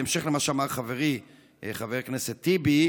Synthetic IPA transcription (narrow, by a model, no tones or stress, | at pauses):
emʃeχlemaʃeamaʁχaveʁi | χaveʁkneset̪ːibi